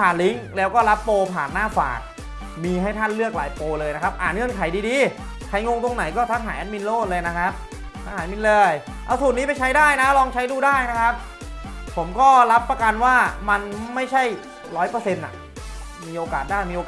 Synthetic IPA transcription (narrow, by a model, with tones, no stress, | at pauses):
aː˨˩nli˦˥ŋlɛː˦˥wkɔː˥˩la˦˥pːoː˧pʰaː˨˩nːaː˥˩fa̰ː˨˩k̚ | miː˧ɦa˥˩jt̪ʰa˥˩nlɯ˥˩ək̚laː˨˦jpoː˧lɤː˧jna˦˥kʰa˦˥p̚ʔaː˨˩nŋɯ˥˩ə˨nkʰa˨˩˦jdiː˧diː˧ | kʰa˨˩˦jŋo˧ŋt̪o˧ŋna˨˩˦jkɔː˥˩t̪ʰa˦˥ŋɦaː˩˦jʔa˦t̪̚mi˧nloː˥˩t̪̚lɤː˧jna˦˥kʰa˦˥p̚ | t̪ʰa˦˥ŋhaː˩˦jmi˧nlɤː˧j | ʔa˧wsuː˨˩t̪̚niː˦˥p̬a˧jt͡ɕʰa˦˥jdaː˥˩jna˦˥lɔː˧ŋt͡ɕʰa˦˥jduː˧˩daː˥˩jna˦˥kʰa˦˥p̚ | pʰo˩˦mkɔː˥˩ɾa˦˥pːɾa˧ka˧nwaː˥˩ma˧nma˥˩jt͡ɕʰa˥˩j | ɾɔː˦˥jpɤː˧se˧nʔa̰˨˩ʔ | miː˧ʔoː˧kaː˨˩t̪̚daː˥˩jmiː˧oː˧k